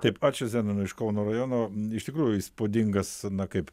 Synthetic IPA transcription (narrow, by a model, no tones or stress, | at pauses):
t̪ɐɪpɑːt͡ʃʲɛzʲæːnɐnʊɪʃkɐʊnoːrɐjoːnoːɪʃt̪ʲɪkɾuːjʊspoːd̪ʲiŋɡɐsnɐkɐɪp